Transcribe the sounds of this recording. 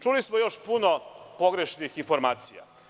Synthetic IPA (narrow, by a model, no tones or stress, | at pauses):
t͡ʃulismojo̞ʃpunopo̞ɡɾe̞ʃnixinfo̞ɾmaːt̪sija̰